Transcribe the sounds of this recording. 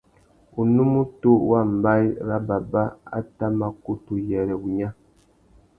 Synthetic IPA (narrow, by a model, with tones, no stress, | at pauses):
u˨nu˦mu˦to˦wa˦˨m̩˨ba˦jɾa˦ba˨ba˦a̰˦ta˦ma˨ku˦tu˨jɛ˨ɾɛ˨u˨ɲã˦